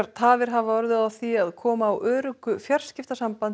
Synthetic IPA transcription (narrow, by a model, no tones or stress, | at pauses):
ɾ̥t̪ʰaːvɪɾ̥ɦavaɔɾðʏðaθiaðkʰɔːmaːwʔœːɾʏkʏfjar̥scɪft̪asampan